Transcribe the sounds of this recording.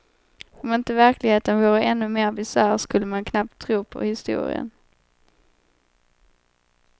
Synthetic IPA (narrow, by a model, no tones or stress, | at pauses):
ɔmɪnt̪əvæɾklɪɡheːt̪ənvuːɾəʔɛnːɵmeːɾbɪsæːɾskɵlːəmankʰnap̚t̪ʰːɾuːpʰɔ̰hɪst̪ṵːɾɪ̰ə̰n